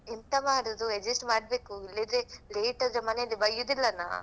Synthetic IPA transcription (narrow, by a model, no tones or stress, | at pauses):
int̪ɐmaːɽod̪ued͡ʒisʈmaːɽbeːkuilːid̪eleːʈɐd͡ʒɐmɐnelːibɐɭijud̪ilːɐna̰ː